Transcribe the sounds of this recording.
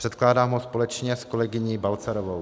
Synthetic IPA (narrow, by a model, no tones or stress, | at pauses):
pr̥ɛt̪klaːdaːmɦospo̞lɛt͡ʃɲɛskolɛɡɪɲiːbalt͡saɾovow